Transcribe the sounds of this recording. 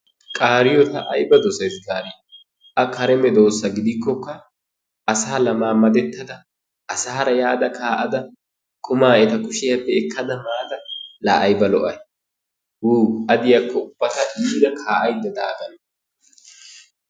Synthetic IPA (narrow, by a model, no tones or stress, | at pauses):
kʼaːɾɪjɔt̪ɐʔɐjbɐd̪ɔsɐjsɡaːɾɛ | ʔɐkʰɐɾɛmɛd̪o̞ːsːɐɡɪd̪ɪkːɔkːɐ | ʔɐsaːlɐmaːmɐd̪ɛt̪ːɐd̪ɐ | ʔːsaːɐɾɐjaːd̪ɐkʰaːʔɐd̪ɐ | kʰʊmaːɛt̪ɐkʊʃɪjɐpːɛɛkʰːɐd̪ɐmaːt̪ɐla̰ːʔɐjbɐlɔʔɐj | wuːɐd̪ɪjakːɔʊb̥ːɐt̪ɐʔiːd̪ɐkʰaːʔɐjd̪ɐd̪aːɡɐn